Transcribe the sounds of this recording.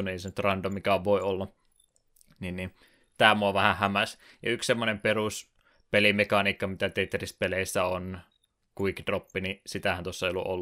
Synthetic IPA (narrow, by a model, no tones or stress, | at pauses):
nueˑisenyt̪rɑndomikæoʋʋoiolːɑ | ninni | t̪æːmuɑʋæhæhæmæsjɑ̰ykssemːonemperus | pelimekɑniːkːɑmit̪æt̪et̪ːrispeleisːæon | kuikːit̪ropːinisit̪æhænt̪osːɑeijolːṵʔo̰lː